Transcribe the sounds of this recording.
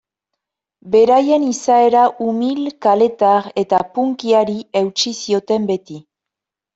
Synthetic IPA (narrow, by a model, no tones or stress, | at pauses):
be̞ɾaje̞nisae̞ɾaʔumilkale̞t̪aɾe̞t̪apuŋkiaɾie̞wt͡ʃisio̞t̪e̞mbe̞t̪i